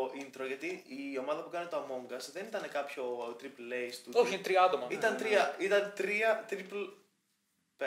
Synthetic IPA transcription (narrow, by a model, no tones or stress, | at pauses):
ʔint̪ɾoʝɐt̪iio̞mɐðɐpukɐnet̪oɐmo̞ŋɡɐsðe̞nit̪ɐne̞kɐpço̞t̪ɾiplːest̪uoçinet̪ɾiɐɐt̪o̞mɐit̪ɐnt̪ɾiɐit̪ɐnt̪ɾiɐt̪ɾipl | pe